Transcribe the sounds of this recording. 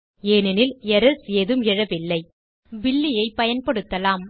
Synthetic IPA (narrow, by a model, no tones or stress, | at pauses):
eːnɪnɪlɛɾɐsɪjɐðɯmɛɻɐʋɪlːɐɪ | ʋɪlːɪjɐɪpɐjɐnpɐɽɯt̪ːɐlaːm